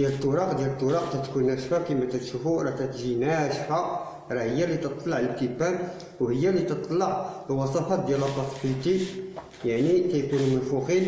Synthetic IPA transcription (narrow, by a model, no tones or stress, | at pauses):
d̪jælət̪ˤːʊɾˤɑqd̪jælət̪ˤːʊɾˤɑq̚t̪æt̪kunæʃfækimæt̪æt̪ʃufuɾˤɑt̪æt̪ʒinæʃhæ | ɾˤɑhəjːælit̪ət̪ˤːlɑʕləb̚t̪ibæn | whəjːælit̪ət̪ˤːlɑʕlwɑsˤɑfɑd̪jæləb̪ˤɑsfit̪i | jaʕnit̪æjkunumənfuxil